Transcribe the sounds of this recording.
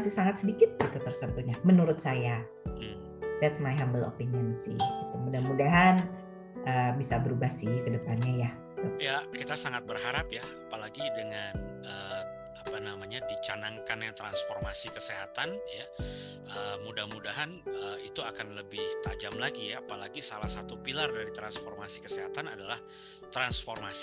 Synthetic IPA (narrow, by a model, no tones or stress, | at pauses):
sɪhsaŋat̪̚sədikɪt̪̚ɡit̪ut̪ərsəmt̪ʊɲamənuɾʊt̪̚saja | m̩ | dɛt̪smajɦambəlo̰pinənsɪ̰hɡit̪umudahmudaɦan | ʔəːbisabəɾubahsɪhkədəpanɲajah | jakit̪asaŋat̪̚bərɦaɾapjaapalaɡidəŋan | əː | apanamaɲadit͡ʃanaŋkanjaŋt̪ɾansformasikəseɦat̪anja | əmudahmudaɦanəit̪uakanləbɪht̪ad͡ʒamlaɡijːpalaɡisalahsat̪upilardaɾit̪ɾansformasi̥kəseɦat̪anadalah | t̪ɾansformasi̥